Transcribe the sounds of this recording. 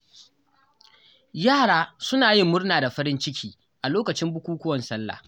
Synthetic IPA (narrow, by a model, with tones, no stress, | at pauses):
jaː˦˨ɽaː˦sʊ˦naː˨jɪ˦mːʊ˦rnaː˨da˨ɸɐ˦ɽɪ˦nt͡ʃɪ˦kʲʰiː˦ | ʔa˨loː˦kɐ˨t͡ʃɪ˦mbʊ˦kʷuː˦kʷʊ˦wɐ˨nsɐ˦lːa̰ː˨